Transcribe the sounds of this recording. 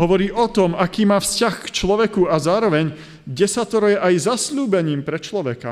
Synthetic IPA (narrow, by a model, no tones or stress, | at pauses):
ɦɔʋɔɾiːʔɔt̪ɔmakiːmaːfscaxt͡ʃlɔʋɛkuazaːɾɔʋɛɲ | ɡɟɛsat̪ɔɾɔjɛʔajzasʎuːbɛɲiːmpɾɛt͡ʃlɔʋɛka̰